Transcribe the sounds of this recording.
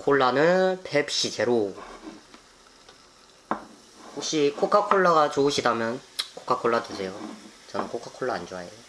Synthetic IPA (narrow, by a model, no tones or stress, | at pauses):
kʰoɭːanɯnpʰepɕ͈id͡ʑeɾo | oɕ͈ʰikʰok͈ʰakʰoɭːaɣat͡ɕoːɕʰidamjʌnkʰo̥k͈ʰakʰːoɭːatusʰe̞jot͡ɕʌnɯnkʰokʰakʰoɭːaːnd͡ʑoajejo